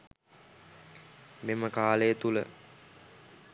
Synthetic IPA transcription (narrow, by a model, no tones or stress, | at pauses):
meməkaːləjət̪ulə̰